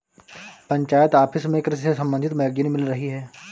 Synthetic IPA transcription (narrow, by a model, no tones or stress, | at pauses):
pɐ̃ɲt͡ʃaːjət̪aːpʰɪsmẽekɾɪsesɐ̃mbə̃nd̪ʱɪt̪mɛːɡjənimɪlɾɐɦiɦɛː